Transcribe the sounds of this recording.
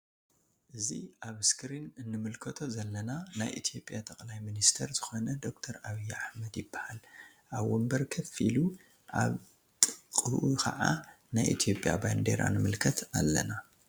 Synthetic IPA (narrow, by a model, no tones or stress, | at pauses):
ʔɨzḭaβɨskʰɨɾinɨnːɨmɨlkʰɐt̪ʰo̞zɐlːɐnana̰jʔḭt̪ʰijo̞pʼjat̪ʰɐkʼlajminist̪ʰɐɾzɨxo̞nɐd̪o̞k̚t̪ʰɐɾaβijːaħmɐd̪jɪbːahal | ʔaβwɔmbɐɾkʰɐfḭlu | ʔa̰β | t̪ʼɨkʼɨʔukʰɐ̰ʕa | najʔḭt̪ʰijo̞pʼja̰band̪ḛɾa̰nɨmɨlkʰɐt̪ʰalːɐ̰na